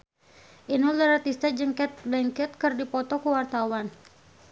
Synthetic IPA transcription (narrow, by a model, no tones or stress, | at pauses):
ʔinɔləɾat̪ist̪ad͡ʒəŋkɛt̪̚bɛŋkɛt̪̚kərdipɔt̪ɔkuwart̪awan